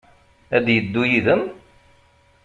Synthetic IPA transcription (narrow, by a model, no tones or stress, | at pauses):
æd̪jəd̪ːujiðəm